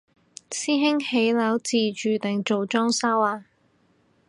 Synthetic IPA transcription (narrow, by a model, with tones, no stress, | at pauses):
siː˥ɦɪ˥ŋhe˨˥jlɐː˨˥wt͡siː˨t͡ʃyː˨˩t̪ɪ˨ŋt͡ʃo˨wt͡ʃɔː˥ŋsa˥waː˧˩